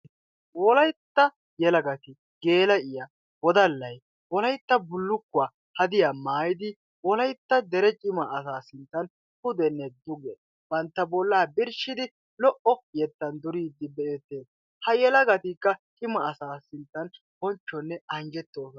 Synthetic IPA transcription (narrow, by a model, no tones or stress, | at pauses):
wɔlɐjt̪ːɐ | jɛlɐɡɐt̪ɪ | ɡe̞ːlɐʔɪjɐ | wɔd̪ɐlːɐj | wɔlɐjt̪ːɐbʊlːʊkːʊa | hɐd̪ɪjamaːjɪd̪ɪ | wɔlɐjt̪ːɐd̪ɛɾɛt͡ʃʼɪmɐːs̬aːsɪnt̪ːɐn | hʊd̪ɛnːɛd̪ʊɡɛ | bɐnt̪ːɐbɔlːaːbɪɾʃɪd̪ɪ | lɔʔɔjɛt̪ːɐnd̪ʊɾiːd̪ːɪbɛɛt̪ːeːs | hɐjɛlɐɡɐt̪ikːɐt͡ʃʼɪmɐːsaːsɪnt̪ːɐn | b̥ɔnt͡ʃːɔnːɛɐŋd͡ʒɛt̪ːoːs